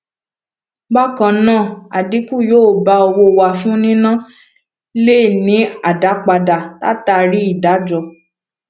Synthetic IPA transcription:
ɡ͡ba˦kã˧˨nãː˦˨a˨di˨˦ku˦˨joː˦˨ba˧o˧wo˧wa˨fũ˦nĩ˦nã˦˨ | le˦˨nĩ˨˦a˦˨da˨˦k͡pa˧da˨ta̰˦ta˧ɾi˦i˦˨da˨˦d͡ʒɔ˧

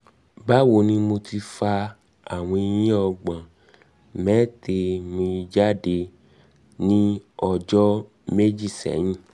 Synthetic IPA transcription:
ba˦wo˧˦nĩ˦mo˧ti˧fa˧ | a˨w̃ɔ̃˧i˧jĩ˦ɔ˧ɡ͡bã˨ | mɛː˨˦te˧mĩ˧i˧d͡ʒa˦de˧ | nĩ˦ɔ˧d͡ʒɔ˦ | me˦d͡ʒi˦˨sɛ̰˨˦j̃ĩ˦˨

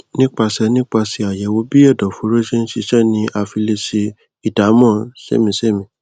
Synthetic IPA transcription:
nĩ˦k͡pa˧sɛ˧nĩ˦k͡pa˧si˧a˨jɛ˨wo˨˦bi˦ɛ˦˨dɔ̃˨fo˨˦ɾo˦ʃe˦n̩˦ʃi˧ʃɛ˦˨nĩ˧ʔa˧fi˧le˧si˧ | i˨ta˨˦mɔ̃˦˨ʃɛ̰˦˨mĩ˧ʃɛ˦˨mĩ˧˨

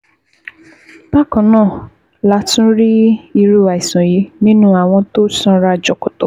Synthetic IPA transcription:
ba˦˨kɔ̃˨˦nãː˦˨ | la˨˦tũ˦ɾi˦i˧ɾu˦˨a˨i˨sã˨ji˨˦nĩ˦nũ˦a˦˨w̃ɔ̃˧to˦sɔ̃˧ɾa˧d͡ʒɔ˨kɔ˨to˨

